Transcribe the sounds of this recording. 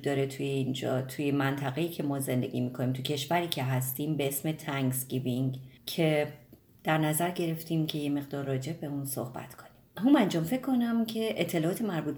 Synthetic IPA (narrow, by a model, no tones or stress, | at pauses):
d̪ɒːɾet̪ʰujeind͡ʒɒ̰ːt̪ʰujemænt̪ʰæɣejiːcʰe̞mɒːze̞nd̪e̞̰ɡʲḭmiːkʰo̞nimt̪ʰucʰe̞ʃvæɾiːcʰe̞ɦæst̪iːmbe̞esme̞t̪ʰæŋsɡibiŋcʰe̞ | d̪̥æɾnæzæɾɟe̞ɾe̞ft̪ʰiːmcʰe̞je̞me̞ɣd̪ɒːɾːɒːd͡ʒe̞bbe̞unso̰hbæ̰t̪ʰkʰo̞nimɦumænd͡ʒɒːmfe̞kʰːo̞næmcʰe̞ʔet̪ʰːe̞lɒːɒːt̪ʰe̞mæɾbuːt̪̚